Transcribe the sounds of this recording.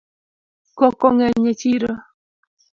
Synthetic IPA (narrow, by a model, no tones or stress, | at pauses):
kɔkɔŋɛɲet͡ʃiɾo